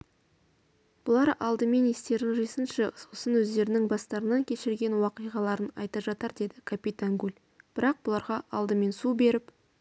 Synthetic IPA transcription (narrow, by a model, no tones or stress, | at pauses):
b̥ʊlˠɑɾɑlˠd̪əme̞nest̪e̞ɾɪŋʒijsənʃɪsosənwɵzd̪e̞ɾɪnɪŋbɑst̪ɑɾənɑŋkʲʰe̞ʃɪɾɡʲe̞nwɑqijʁɑlˠɑɾənɑ̰jt̪ɑʒɑt̪əɾd̪e̞d̪ɪkʰapʲit̪aŋɡulʲ | b̥ɪɾɑq̚bʊlˠɑɾʁɑʔɑlˠd̪əme̞nsube̞ɾɪp